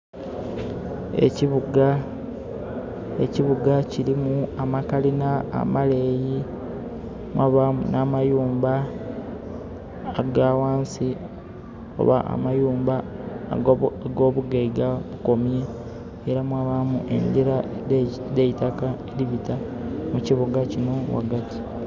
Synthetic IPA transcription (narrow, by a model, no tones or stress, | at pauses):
ḛciβuɡa | eciβuɡaciɾimuamakalina̰ːmale̞ji | mwaːβamṵnaːmajuːmba | ɡaːwaːnsi | o̞̰βa̰ʔa̰majuːmba | ɡo̞ːβuɡeiɡaβuko̞mje̞ː | ɾamwaːβamuʔe̞̰ɲɟiɾa | deitakaeɾiβitamuciβuɡacino̞wa̰ɡati̥